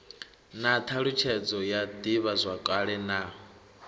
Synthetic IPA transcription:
nat̪ʰaɺut͡ʃʰɛd͡zɔjad̪iβazʷakʼaɺɛnaː

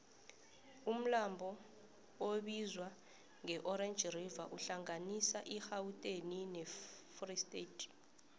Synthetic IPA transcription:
um̩lambʱɔ | oɓizwa | ŋɛʔɔɾɛnd͡ʒʱrivaʔuɬaŋanisaʔixawutʼeninɛfristʼetʰʼ

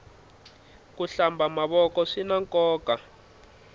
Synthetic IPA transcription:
kuɬambʱamaβɔkɔʂinaŋkɔːka

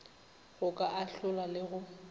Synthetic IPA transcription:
ɣʊkʼaʔaɬʊlalɪɣʊ

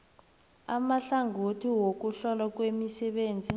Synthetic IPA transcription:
amaɬaŋʱotʰiwok̬uɬɔlak̬wemisɛɓeːnd͡zʱi

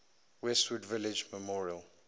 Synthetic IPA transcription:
wɛstwudvɪlɪd͡ʒməmɔɹiəl

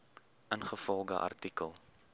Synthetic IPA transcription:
ʔənχəfɔlˠdə̰ʔɐ̰rtikəlˠ

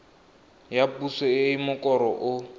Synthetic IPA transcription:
japusɔeimʊkʼɔɾɔʔʊ

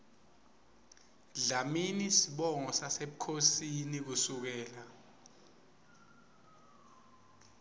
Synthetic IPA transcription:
ɮaminisiɓɔŋɔsaseɓukʰosinik̬usuk̬ɛːla

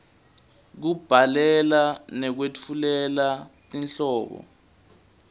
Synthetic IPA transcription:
k̬ub̥ʱalɛlanɛk̬wet͡fʰulɛlatinɬɔːɓɔ̰

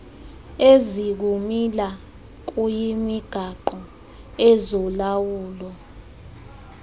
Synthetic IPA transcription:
ezik̬umila | k̬ujimiɡ̥ʱaǃɔ | ɛzɔlawuːlɔ

